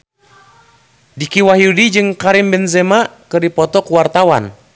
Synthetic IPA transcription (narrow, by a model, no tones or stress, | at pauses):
dikiwaɦjudid͡ʒɨŋkaɾimbɛnzɛmakɨrdipɔt̪ɔkuwart̪awa̰n